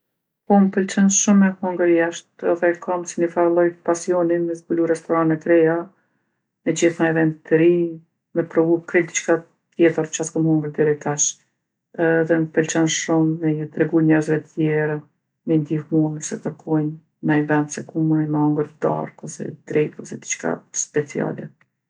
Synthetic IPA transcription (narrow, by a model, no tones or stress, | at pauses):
pɔməpɛlt͡ʃɛnʃumːɛhuŋɡəɾjaʃt̪ɛðɛkʰamsinəfalˠɔjpasiɔninmɛzbuluɾɛst̪ɔɾanɛkɾɛja | nəd͡ʑiθnajvɛnd̪it̪ːəɾi | mɛpɾɔvukɾɛd̪it͡ʃka | t̪jɛt̪əɾt͡ʃaskɡɔmhɔŋɡəɾd̪ɛɾɛt̪aʃ | ɛːðɛnfɛlt͡ʃanʃumːɛt̪ɾɛɡujɲɛɾzvɛt̪ət̪jɛɾa | mɛnd̪ifmunəsɛkəɾkʰɔjn | najvɛnd̪sɛkumunimɛɔŋɡəɾd̪a̰ɾkɔsɛ̰d̪ɾɛt̪ɔsɛd̪it͡ʃka̰spɛt͡sia̰lɛ